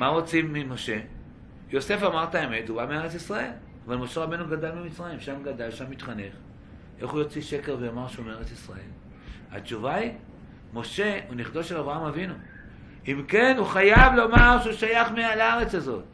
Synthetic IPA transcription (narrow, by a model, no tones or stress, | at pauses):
maʁo̞t͡simːimo̞ʃe̞ | jo̞se̞famaʁtaeme̞tubameeʁet͡sisʁae̞l | avalmo̞ʃe̞ʁabe̞jnuɡadalmimit͡sʁajimʃamɡadalʃamːit̪χane̞χ | ʔe̞χujo̞t͡siʃe̞ke̞ʁvejomaʁʃeumeeʁet͡sisʁae̞̰l | a̰t͡ʃuvai | mo̞ʃe̞uniχd̪o̞ʃelavʁaamavinu | imke̞nuχajavlo̞maʁʃeuʃajaχmealaʁe̞t͡sazo̞t̪